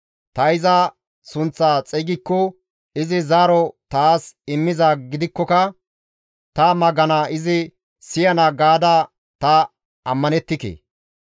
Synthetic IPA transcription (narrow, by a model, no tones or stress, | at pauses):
t̪ɐɪzɐ | sʊnt͡sːaːt͡sʼɛjɡɪkːɔ | ɪzɪzaːɾɔt̪aːsɪmːɪzaɡɪd̪ɪkːɔkɐ | t̪ɐmɐɡɐnaːʔɪzɪ | sɪjɐnaɡaːd̪aː | t̪ɐ | ɐmːɐnɛt̪ːɪkḛː